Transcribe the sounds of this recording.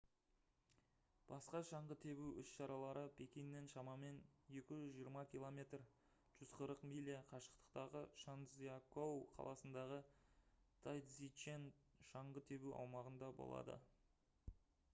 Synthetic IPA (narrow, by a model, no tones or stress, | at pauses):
b̥ɑsqɑʃɑɴʁət̪ʰe̞βuwʏsʃɑɾɑlˠɑɾəpʲʰe̞kʲijnːe̞nʃɑmɑme̞nje̞kʲɪʒʏzʒijəɾmɑkʲilˠomʲe̞t̪r | ʒ̥ʏz̥qʰəɾəqmijlʲijaqʰɑʃə̥qt̪ə̥qt̪ɑʁəʃanziakowqʰɑ̰lˠɑsənd̪ɑʁə | t̪ʰajd̪zit͡ʃenʃɑɴʁət̪ʰe̞buwʔɑ̰wmɑʁənd̪ɑbo̰lˠɑ̰d̪ə̰